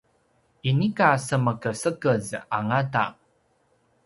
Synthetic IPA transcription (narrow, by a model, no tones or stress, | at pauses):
inikasəməkəsəkəza̰ŋata̰